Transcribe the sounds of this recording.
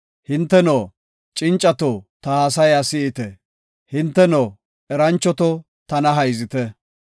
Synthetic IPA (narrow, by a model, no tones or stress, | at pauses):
hɪnt̪ːɛnoː | t͡ʃʼɪnt͡ʃʼːɐt̪ot̪ɐhaːs̬ɐjasɪɪt̪ɛ | hɪnt̪ːɛnoː | ʔɛɾɐnt͡ʃːɔt̪ɔ | t̪ɐnɐɦɐjzɪt̪ɛ